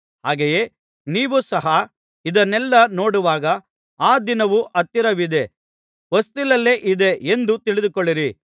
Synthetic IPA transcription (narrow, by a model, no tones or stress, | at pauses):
haːɡeje̞ː | niːʋusɐɦɐ | id̪ɐnɛlːɐno̞ːɽuʋaːɡɐ | aːd̪inɐʋuʔɐt̪ːiɾɐʋid̪e̞ | ʋɐst̪ilɐlːeːʔid̪e̞end̪ut̪iɭid̪ukoɭːiɾi